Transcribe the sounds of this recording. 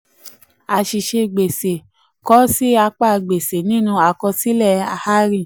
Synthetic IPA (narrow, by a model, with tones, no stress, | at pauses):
a˨ʃi˨ʃe˧ɡ͡be˨se˨ | kɔ˨˦si˦a˧k͡pa˦˨ɡ͡be˨se˨nĩ˦nũ˧a˧kɔ˧si˦lɛ˦˨a˧˨ha˦ɾi˦˨